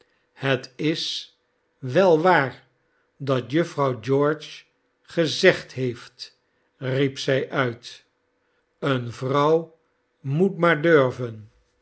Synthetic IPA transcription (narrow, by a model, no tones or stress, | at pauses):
hətɪs | ʋɛlˠʋaːɹ | dɑtjɵfrɑwd͡ʒɔːɹt͡ʃ | χəzɛχtɦejft | ripsɛjʔœɥt | ənvrɑw | mutmaːɹdøɹvən